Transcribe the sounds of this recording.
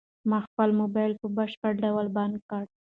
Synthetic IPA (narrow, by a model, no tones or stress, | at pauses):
mɑxpəlmobɑjlpəbaʂpəʈɖawalband̪̚kɑɽ